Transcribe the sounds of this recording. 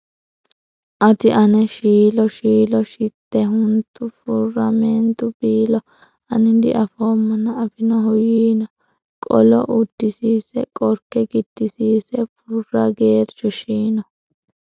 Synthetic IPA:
ʔɐt̪ɪʔɐnɛʃiːlɔʃiːlɔʃɪt̪ːɛɦʊnt̪ːʊfʊrɐmɛnt̪ʊbiːlɔ | ɐnɪd̪ɪ̰ʔɐfoːmːɐnɐɐfɪnɔɦʊjiːnɔ | kʼɔ̰lɔ̰ʔʊd̪̥ːɪsiːsɛkʼɔɾkːɛɡɪd̪̥ːɪsiːsɛfʊrːɐɡe̞ːɾt͡ʃɔʃiːnɔ

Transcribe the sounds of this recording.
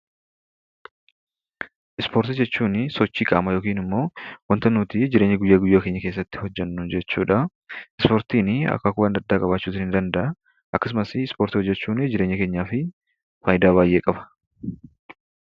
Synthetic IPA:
ʔɪspo̞ːɾt̪ɐd͡ʒɛt͡ʃːuːnɪsɔt͡ʃːiːkʼa̰ːmɐjo̞ːkiːnɪmːo̞ːwɐnt̪ɐnːuːt̪id͡ʒɪɾeːɲːɪɡʊjːaːɡʊjːaːkeɲːɐkeːs̬ːɐt̪ːɪ̥hɔd͡ʒːɛnːʊnd͡ʒɛt͡ʃːuːᶑɐ | ɪspoːɾt̪iːnɪɐ̰kːɐkʊbɐnd̪ɐd̪ːaːkʼɐbaːt͡ʃːuːt̪ɪnhɪnd̪ɐnd̪ɐʔɐ | ʔɐkːɐs̬ʊmɐsɪspo̞ːɾt̪ɪhɔd͡ʒːɛt͡ʃːuːnɪd͡ʒɪɾeɲːɪke̞ːɲːaːfɪ | faːjɪd̪aːbaːjʔe̞ːkʼɐbɐ̥

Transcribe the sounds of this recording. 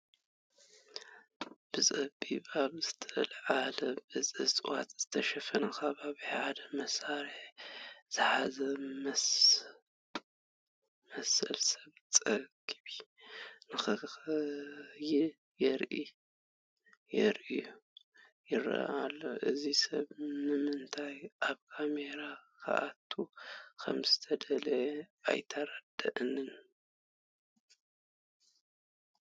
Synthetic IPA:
b̥ɨsʼɐbiβaβzɨt̪ʰɐʔɨ̰lʕalɐbɨzʼɨsʼwa̰t̪ʼz̥ɨt̪ʰɐʃɐfɐnɐkʰɐβaβiħʕadɐmɐsaɾiħz̥ɨħazɐm | mɐsɐlsɐβt͡sʼɐɡiβinɨxɨxɨjɪ | jɛɾʔi | jɛɾʔiju | jɪɾa̰ʔalːoʔɨzisɐβnɨmɨnt̪ʰajʔaβkʰameɾakʰa̰ʔat̪ʰukʰɐ̰mz̥ɨt̪ʰɐd̪ɐlɐa̰jt̪ʰɐɾad̪ɐʔɨnɨn

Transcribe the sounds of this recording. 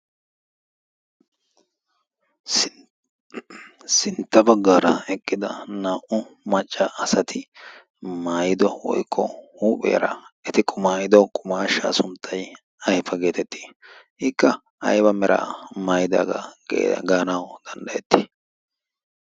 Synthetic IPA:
sɪnt̪ːɐbɐɡːaːɾɐɛkʼːɪd̪ɐnaːʔʊmɐt͡ʃʼːɐʔːsɐt̪ʰɪ | maːjɪd̪ɔwɔ̰jkʰːɔhuːpʼɛ̰jɐ̰ɾɐɛt̪ɪkʼʰʊmaːjɪd̪ɔkʼʊmaːʃa̰ːsʊmt̪ʰːɐj | ɐjfɐɡe̞ːt̪ɛt̪ːi̥ː | ɪkːɐ | ɐ̰jbɐmɛɾʔa̰ːmaːjɪd̪a̰ːɡɐ̰ɡaːnawd̪̥ɐnd̪ɐɛt̪ːiː

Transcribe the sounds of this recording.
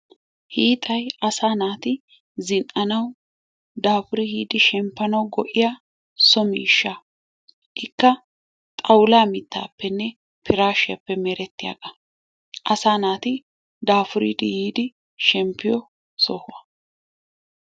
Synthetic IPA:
hiːt̪ʼɐjɐsaːnaːt̪ɪ | zɪnʔɐnɐw | d̪aːfʊɾɪhiːd̪ɪʃɛmpːɐnɐwɡɔʔɪja | sɔmiːʃːa | ʔɪkːɐ | t̪ʼɐwlaːmɪt̪ːa̰ːpːɛnːɛ | pʰɪɾaːʃɪjɐpːɛmɛɾɛt̪ːɪja̰ːɡɐ | ʔɐsaːnaːt̪ɪ | d̪aːfʊɾid̪ɪhiːd̪ɪ | ʃɛmpːɪjɔ | sɔhʊɐ

